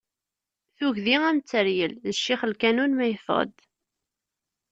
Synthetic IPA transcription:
θuʝðiæmt͡sːəɾjəlðəʃːiχəlkænunmæjəfʁə̰d̪

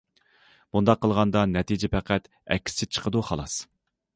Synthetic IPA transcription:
b̥und̪ɑqʰːəlˠʁɑnd̪ɑnɛt̪ʰid͡ʒɛpʰæqʰæt̪ | ɛ̰kʲʰːi̥st͡ʃʰɪt͡ʃʰə̥qʰəd̪uχɑ̰lˠɑs

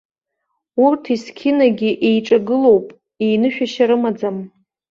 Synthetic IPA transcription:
urtʰiskʲʰɪnaɡʲiʔejʈ͡ʂʼaɡɨlo̞wpʼ | ejnɨʃᶣaʃaɾɨmad͡zam

